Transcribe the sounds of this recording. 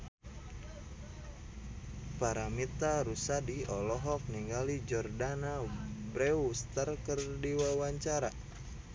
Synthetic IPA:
paɾamit̪aɾusadiɔlɔɦɔk̚niŋɡalid͡ʒɔrdanabɾɛust̪arkərdiwawaɲt͡ʃaɾa

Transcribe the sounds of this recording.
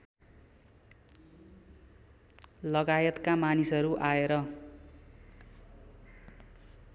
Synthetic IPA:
lʌɡajʌt̪kamanisʌɾuʔaeɾʌ

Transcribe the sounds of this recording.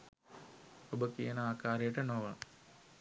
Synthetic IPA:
obəkijənəaːkaːɾejəʈənoʋə

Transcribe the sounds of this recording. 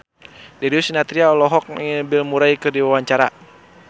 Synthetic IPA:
dɛɾiusinat̪ɾiaɔlɔɦɔk̚bɪlmuɾajkɨrdiwawaɲt͡ʃaɾa

